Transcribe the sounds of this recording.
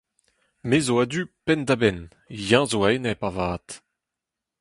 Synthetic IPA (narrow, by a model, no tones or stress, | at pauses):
mezoad̪ypɛndabɛn | jɑ̃zoanɛpavaːt̪